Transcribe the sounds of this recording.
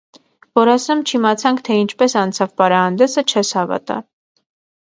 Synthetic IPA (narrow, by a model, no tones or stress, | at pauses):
vɔɾɑsɛmt͡ʃʰimɑt͡sʰɑŋkʰt̪ʰɛint͡ʃʰpɛsɑnt͡sʰɑvpɑɾɑhɑnd̪ɛsət͡ʃʰɛshɑvɑ̰t̪ɑ̰